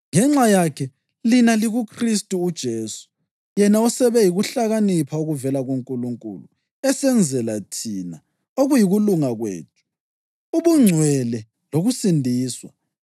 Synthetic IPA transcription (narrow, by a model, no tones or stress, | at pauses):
ŋɛŋ͡ǁajakʰɛ | linaliɣukʰristʼuːd̥ʒ̥ʱeːsu̥ | jɛnaɔsɛβɛjiɣuɬaɣanipʰauɣuvɛlaɣoŋkʼuluŋkʼṵlṵ | ɛsɛnd͡zʱɛlatʰina̰ | oɣujiɣuluŋaɣwḛːtʰʼu̥ | uβuŋ͡ǀʱwɛlɛ | loɣusindʱiːswa̰